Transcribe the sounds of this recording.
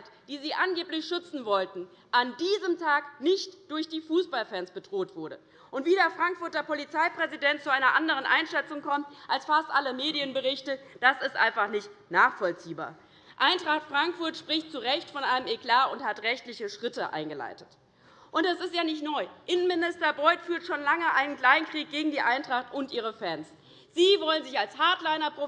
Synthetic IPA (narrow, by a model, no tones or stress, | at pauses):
td̥iːziːʔanɡeːplɪçʃʏt͡sn̩vɔltn̩ | ʔandiːzəmtʰaːknɪçtd̥ʊɐçd̥iːfuːsb̥alfɛnsb̥ədʁ̥oːtv̥ʊɐɾə | ʔʊntv̥iːɾeːɐfʁ̥aŋkfʊɐtɐpolit͡saɪpʁ̥ɛzidɛnt̚t͡suaɪnɐʔandəʁənʔaɪnʃɛt͡sʊŋkʰɔmtʔalsfastʔaləmeːdiənbəʁɪçtəd̥asɪstʔa̰ɪ̃nfaχnɪçtnaːχfɔlt͡siːba̰ːɐ | ʔaɪntʁ̥aχtfʁ̥aŋkfʊɐtʃpʁ̥ɪçtt͡suʁɛçtfɔnʔaɪnəmeklaːʊnthatʁɛçtlɪçəʃʁ̥ɪtəʔa̰ɪnɡəla̰ɪtət | ʔʊntd̥asɪstjaːnɪçtnɔʏʔɪnənmɪnɪstɐbʁɔʏtfyːɐtʃoːnlaŋəʔaɪnənklaɪnkʁ̥iːk̚ɡ̥eːɡŋ̩diːʔaɪntʁ̥aχtʊntʔiːʁəfɛns | z̥iːvɔlənzɪçalshaɐtlaɪnɐpʁ̥o